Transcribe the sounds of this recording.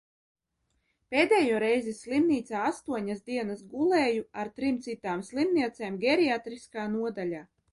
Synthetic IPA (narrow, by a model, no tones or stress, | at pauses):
peːd̪eːjuɔɾɛjzislˠimniːt̪saːast̪uɔɲasd̪iɛnasɡulˠeːjuaɾt̪ɾimt̪sit̪aːmslˠimniɛt̪seːmɡʲɛɾiat̪ɾiskaːnuɔd̪alʲaː